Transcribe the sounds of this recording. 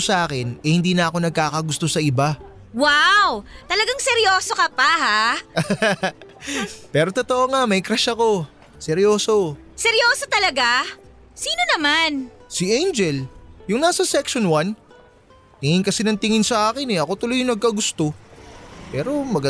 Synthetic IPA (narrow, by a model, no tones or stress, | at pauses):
sɐʔaːkɪnʔɛhɪnd̪iːnɐʔɐko̞nɐɡ̚kaːkɐɡʊst̪o̞sɐʔɪba | wawt̪ɐlɐɡaŋsɛɾjoːsokɐpaha | pɛːɾo̞t̪ot̪oʔoŋamɐjkɾɐʃɐko̞ | sɛɾjo̞ːso̞ | sɛɾjoːsot̪ɐlɐɡa | siːno̞nɐmansiʔejnd͡ʒɛljʊŋnaːsɐsɛkʃonwan | t̪ɪŋɪnkɐsinɐŋt̪ɪŋɪnsɐʔaːkɪnɛʔɐko̞t̪ʊlojʊŋnɐɡ̚kɐɡʊst̪o̞ | pɛːɾo̞mɐɡɐ